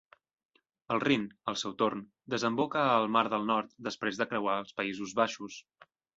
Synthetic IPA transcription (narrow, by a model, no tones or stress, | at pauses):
əlˠrinəlˠsewt̪orn | d̪əzəmbokəːlˠmaɾðəlˠnɔɾt̪d̪əspɾezðəkɾəwaəlˠspəizuzβaʃus